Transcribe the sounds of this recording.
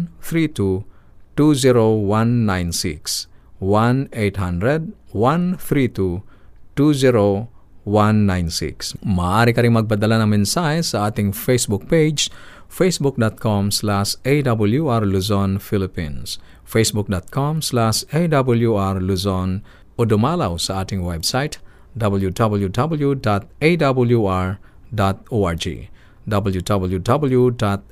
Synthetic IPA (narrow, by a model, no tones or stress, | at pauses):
θɾit̪u | t̪uziɾowanːajnsḭkswanejt̪hãnd̪ɾɛd̪̚wanθɾit̪ut̪uziɾowanːajnsḭksmaaɾikaɾiŋmaɡ̚bat̪̬alanɐŋmɛnsajsaat̪iŋfesbuk̚ped͡ʒd͡ʒ | fesbuk̚d̪ɔt̪̚kʰɔmslasedabəljuaɹluzɔnfilipḭ̃ns | fesbuk̚dɔt̪̚kʰɔmslasedabəljuaɹluzɔn | odɔmalawsaat̪iŋwɛbsajt | dabəljudabəljudabəljudɔt̪̚edabəljuaɹ | dɔt̪̚oaɹd͡ʒḭ | dabəljudabəljudabəljudɔt̪̚